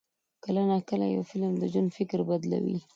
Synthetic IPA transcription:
kəlanakəla̰ja̰wfɪlmd̪əʒanfɪkɾbad̪la̰wḭ

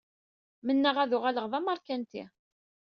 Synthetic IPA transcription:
mənːəʁæðʊʁæləʁðˤɑmɑɾˤkænt̪ḭ

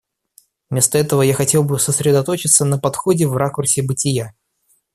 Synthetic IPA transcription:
mʲe̞st̪əɛt̪əvəjaxɐtʲe̞lˠbɨsəsɾʲɪd̪ɐt̪o̞t͡ɕɪt̪sənəpɐt̪xo̞dʲɪvrakʊrsʲɪbɨtʲɪja

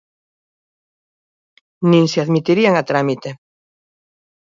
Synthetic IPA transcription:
nĩŋseaðmit̪iɾiaŋat̪ɾamit̪e

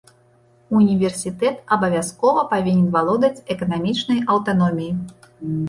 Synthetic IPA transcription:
unʲivʲɛrsʲit̪ɛt̪ɐbɐvʲaskɔvɐpavʲinʲɛnvalˠɔd̪ɐt͡sʲɛkɐnamʲit͡ʂnɐjʔɐwt̪anɔmʲiji

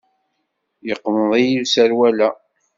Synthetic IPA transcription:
jəqːməðˤijisæɾwælæ

